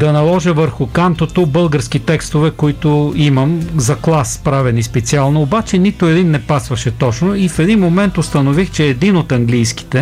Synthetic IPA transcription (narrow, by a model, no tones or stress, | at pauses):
d̪ɐnɐlˠɔʒəvəɾxʊkamt̪ot̪obɤlˠɡəɾsk̟it̪ɛkst̪ovɛkoit̪ʊimɐmzɐklˠaspɾavɛnispɛt̪sialˠnɐobat͡ʃɛnit̪ʊɛd̪inːɛpasvɐʃɛt̪ɔt͡ʃnoifɛd̪inmomɛnt̪ʊst̪ɐnovixt͡ʃɛːd̪inot̪ɐŋɡlijski̥t̪ɛ